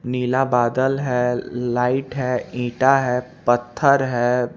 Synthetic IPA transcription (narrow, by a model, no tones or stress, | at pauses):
niːlabaːd̪əlɦɛːlaːɪʈɦɛĩːʈaɦɛːpɐt̪ʰːəɾɦɛː